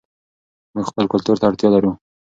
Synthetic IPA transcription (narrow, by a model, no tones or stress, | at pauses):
muɡxpəlkʊlt̪uɾt̪aaɽt̪jɑlaɾu